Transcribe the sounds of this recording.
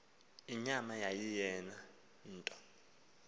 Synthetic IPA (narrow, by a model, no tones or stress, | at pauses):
iɲamajajijɛna | n̩ːtʼɔ̥